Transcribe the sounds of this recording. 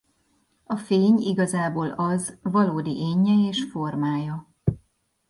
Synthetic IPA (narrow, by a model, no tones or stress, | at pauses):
ɒfeːɲiɡɒzaːboːlɒzvɒloːd̪iʔeːɲːɛeːʃfo̞rmaːjɒ